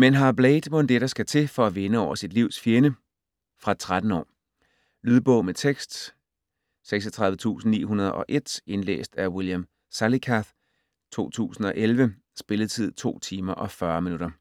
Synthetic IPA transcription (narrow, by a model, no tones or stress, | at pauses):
menɦɑ̈blɛɪd̥mo̽nd̥eɾ̥ɑsɡ̥æt͡sʰe̝fɒ̽æʋe̝nəɒʊ̰ɐsid̥liʊsfjeɐnə | fʁɑ̥̈t͡sʰʁad̥n̩ɒ̰ː | lyːðˠb̥ɔ̽ʊmet͡sʰeɡ̥sd̥ | seɡ̥sɒt͡sʰʁɑ̈ðˠʋət͡sʰṵːsn̩nḭːɦunɐð̞ˠɒ̽ʔe̝d̥e̝nlḛːsd̥æɐwiljam | sælikʰæð | t͡sʰo̝̰ːt͡sʰṵːsn̩ɒ̽ʔelʋə | sb̥e̝ləð̩ˠt͡sʰið̞̰ˠt͡sʰo̝̰ːt͡sʰiːmɐʔɒ̽fɶɐminuɾ̥ɐ